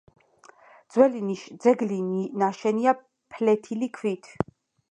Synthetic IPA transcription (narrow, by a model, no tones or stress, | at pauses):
d̪z̥wɛlid̪zɛɡlinaʃɛnia | pʰlɛt̪ʰilikʰvit̪ʰ